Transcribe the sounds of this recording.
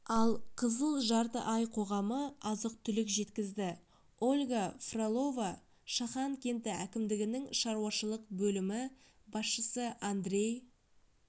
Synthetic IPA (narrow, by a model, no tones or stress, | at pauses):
ɑlˠqʰəzəlˠʒɑɾt̪ə̰ʔɑjqʰo̞ʁɑməɑzəq̚t̪ʰʏlɪkʒe̞t̪kʲɪzd̪ɪ | o̞lʲɡafrolˠo̞va | ʃɑχɑŋkʲe̞nt̪ɪækʲɪmd̪ɪɡʲɪnɪŋʃɑɾuwɑʃəlˠəqbɵlɪmɪ | bɑsʃəsəand̪ɾe̞j